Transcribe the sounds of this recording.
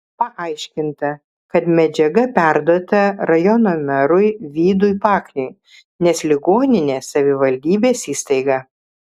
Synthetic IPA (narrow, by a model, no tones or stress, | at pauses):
pɐʔɐɪʃʲkʲɪnt̪ɐ | kɐt̪mʲɛd͡ʒʲɛɡɐpʲæɾd̪oːt̪ɐɾɐjɔnoːmʲɛɾʊɪʋʲiːd̪ʊɪpɑːkʲnʲʊɪ | nʲɛslʲɪɡoːnʲɪnʲeːsɐʋʲɪʋɐlʲd̪ʲiːbʲeːsiːst̪ɐɪɡɑ